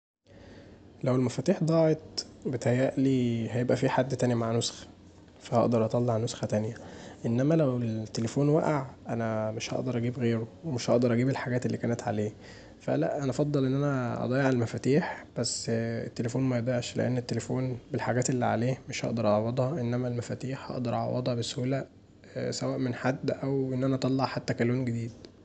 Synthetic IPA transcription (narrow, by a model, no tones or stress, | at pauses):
læwelmæfæt̪iːħd̪ˤɑːʕet̪̚ˤbet̪hæjːæʔliːhæjebʔæfiːħad̪ːt̪ænjæmaʕnosxæ̥ | fæhɑ̰ʔd̪ɑɾˤʔɑt̪ˤɑlːeʕnosxæt̪ænjæʔenːæmælæwelt̪ːelefoːnwæʔaʕʔænæmeʃhɑ̰ʔd̪ɑɾˤʔæɡiːbɣeːɾowemeʃhɑʔd̪ɑɾˤʔæɡiːbelħaɡæːt̪elːiːkæːnet̪ʕa̰leː | fæ̰læ̰ʔʔænæʔfɑd̪ˤːɑlʔenːʔænæʔɑ̰d̪ˤɑːjeʕelmæfæt̪iːħb̥æsːḛt̪ːelefoːnmæjed̪ˤɑːeʕʃlḛʔḛnːet̪ːelefoːnbelħaɡæːt̪elːḭʕa̰leːmeʃhɑ̰ʔd̪ɑɾˤʔɑʕwɑd̪ˤhɑʔenːæmælmæfæt̪iːħhɑ̰ʔd̪ɑɾˤʔɑ̰ʕɑ̰wʔɑd̪ˤhɑbeshuːlæ | sæwæːʔmenħad̪ːʔæwʔenːʔænæʔɑt̪ˤɑlːɑʕħat̪ːækæluːnɡed̪iːd̪